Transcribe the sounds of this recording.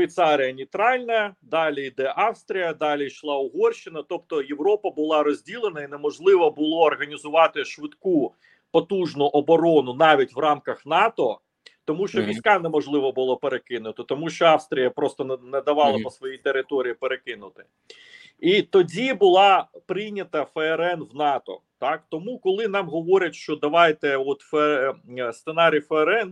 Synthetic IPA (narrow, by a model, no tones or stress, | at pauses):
ʃʋʲijt̪sɑɾʲɪjɐnʲijt̪ɾɑlʲnɐd̪ɑlʲiid̪ɛʔɑwst̪ɾʲijɐd̪ɑlʲijʃlˠɑʊɦɔrʃɪnɐt̪ɔp̚t̪ɔjeʋɾɔpɐbʊlˠɑɾɔzʲdʲilˠenɐinɛmɔʒlˠɪʋɔbʊlˠɔːrɦɐnʲizʊʋɑt̪ɪʃʋɪt̪ku | pɔt̪uʒnʊʔɔbɔɾɔnʊnɑʋʲitʲʋrɑmkɐxnɑt̪ɔ | t̪ɔmuʃt͡ʃɔʋʲijsʲkɑnɛmɔʒlˠɪʋɔbʊlˠɔpeɾekɪnʊt̪ɪt̪ɔmuʃt͡ʃɔɑwst̪ɾʲijɐpɾɔst̪ɔnnɛd̪ɐʋɑlˠɐpɔsʋɔjijt̪eɾɪt̪ɔɾʲijipeɾekɪnʊt̪ɪ̥ | it̪ɔdʲibʊlˠɑpɾɪjnʲɐt̪ɐfɛɛɾɛnʋnɑt̪ɔ̰t̪ɑkt̪ɔmukɔlˠɪn̪ɑmɦɔʋɔɾʲɐtʲʃt͡ʃɔd̪ɐʋɑjt̪ɛɔt̪f | st̪senɑɾʲijfɛɛɾɛn